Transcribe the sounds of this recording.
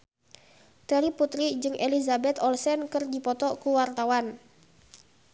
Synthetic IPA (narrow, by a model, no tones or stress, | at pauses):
t̪ɛɾiput̪ɾid͡ʒɨŋʔelizabɛt̪ɔlsɛnkɨrdipɔt̪ɔkuwart̪awan